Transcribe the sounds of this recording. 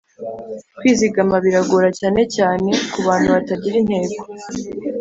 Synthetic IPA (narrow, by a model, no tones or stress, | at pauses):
kwiːziɡamaβiɾaɡoɾacaːne̞caːne̞kuβaːn̥huβataɟiɾin̥he̞ːko̥